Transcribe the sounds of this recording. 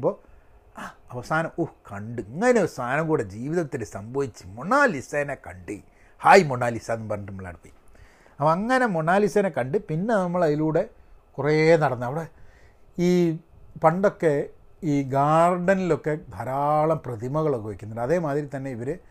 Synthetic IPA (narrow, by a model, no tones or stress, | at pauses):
bo̞ː | aɐʋɐsaːnɐmuhkɐɳɖɨɐŋːɐneʋɐsaːnɐmɡuːɽed͡ʑiːʋiðɐt̪ːilesɐmbɐʋit͡ɕːɨ̥moɳːaːlisenekɐɳɖɨ | haːjimoɳːaːlisaːnːumpɐrɐnɐʈːmːɐɭːa̰ɽɨpːɐ̰j | ɐpːɐɐŋːɐne̞moɳaːlisenekɐɳɖɨpinːe̞nɐmːɐɭɐðiluːɽe̞kureːnɐɽɐnːɐʋiɽe | iːpɐɳɖo̞kːe̞iːɡaːrɖɐnilo̞kːe̞d̪ʱɐɾaːɭɐmprɐd̪imɐɣɐɭokːeʋekʲːunːɐɖɐðe̞ːmaːðɾit̪ɐnːe̞iʋɐɾɨ